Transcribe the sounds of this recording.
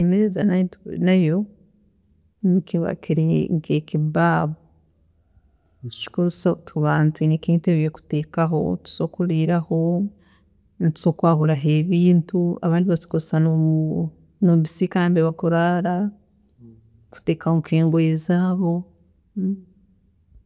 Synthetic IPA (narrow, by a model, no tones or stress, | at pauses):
imeezanatnajo | nikiβa̰kʰiɾeŋkekibaːβo | tu̥t͡ʃi̥koɾu̥satʰuβaːntuwinikiŋiteβijeku̥teːkaɦo̞̰tu̥zokuɾiɾaho̞ | ntu̥z̥oːkwaːhuɾaɦeːβiːntua̰βaːndiβat͡ʃi̥kosano | noβisikaːmbeβakoɾaɾa | ku̥te̞ːkahokiːŋɡoezaːβo̞